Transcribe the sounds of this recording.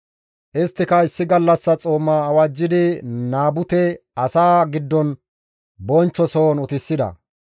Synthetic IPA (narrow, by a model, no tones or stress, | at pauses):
ʔɪst̪ːɪkɐɪsːɪɡɐlːɐsːɐt͡sʼoːmːaːwad͡ʒːɪd̪ɪnaːbʊt̪ɛɐsaːɡɪd̪ːɔn | bɔnt͡ʃːɔsoːnʊt̪ɪsːɪd̪ɐ̰